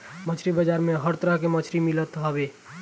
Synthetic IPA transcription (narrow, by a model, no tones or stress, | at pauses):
mət͡ʃʰɾibəd͡ʒaɾmeɦəɾt̪ɾəɦkemət͡ʃʰɾimilət̪ɦəbe